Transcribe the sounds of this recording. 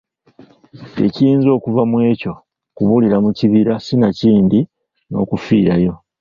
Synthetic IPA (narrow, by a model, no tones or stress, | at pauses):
e̞̰cijiːnzo̞ːkuvamwe̞ːco̞ | kuβuliɾamuciβiɾasinaciːndi | no̞̰ːkufiːɾajo̞